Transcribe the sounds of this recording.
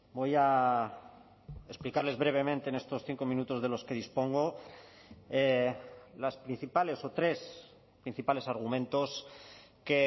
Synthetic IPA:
bo̞ja | e̞splikaɾle̞zβɾe̞β̞e̞mẽnt̪eːne̞st̪o̞sθiŋko̞mĩnut̪o̞zðe̞lo̞ske̞ð̞ispo̞ŋɡo | e | laspɾin̟θipale̞so̞t̪ɾe̞s | pɾin̟θipale̞saɾɣ̞umẽ̞nt̪o̞ske̞

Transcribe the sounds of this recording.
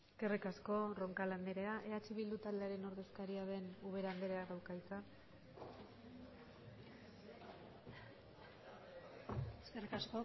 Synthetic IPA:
eske̞rikasko̞ro̞ŋkaland̪eɾe̞aʔe̞at͡ʃiβild̪ut̪ald̪e̞aɾe̞no̞ɾðe̞skaɾiaðe̞nuβe̞ɾand̪e̞ɾe̞aɣawɾkajt͡sa | eskerikasko

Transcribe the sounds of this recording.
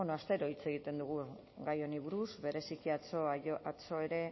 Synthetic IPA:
onoast̪e̞ɾo̞it͡se̞ɣ̞it̪e̞nd̪uɣ̞u | ɡajo̞niβ̞uɾuzβe̞ɾe̞sikiat͡soat͡so̞e̞ɾe̞

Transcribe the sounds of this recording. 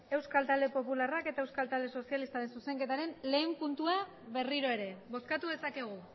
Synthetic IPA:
e̞wskalt̪ald̪e̞po̞pularake̞t̪ae̞wskalt̪ald̪e̞so̞sialist̪aɾe̞nsuse̞ŋke̞t̪aɾe̞nle̞ːmpunt̪ua | βe̞riɾo̞e̞ɾe̞bo̞skat̪uðesakeɣ̞u

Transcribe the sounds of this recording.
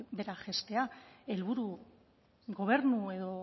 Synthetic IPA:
be̞ɾaʝe̞st̪e̞ae̞lβuɾu | ɣo̞β̞e̞ɾnue̞ðo̞

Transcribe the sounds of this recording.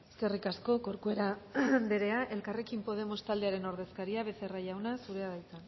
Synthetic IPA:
ske̞rikasko̞ko̞ɾkue̞ɾad̪eɾe̞aʔe̞lkare̞kimpo̞ð̞e̞mo̞st̪ald̪eaɾe̞no̞ɾðe̞skaɾiaβe̞se̞raʝawnasuɾe̞aðajt͡san

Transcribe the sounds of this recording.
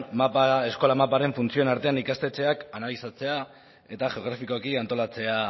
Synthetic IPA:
mapae̞sko̞lamapaɾe̞ɱfunt͡sionaɾt̪e̞anikast̪et͡se̞akanalisat͡se̞a | e̞t̪aʝe̞oɣ̞ɾafiko̞kiant̪o̞lat͡se̞a

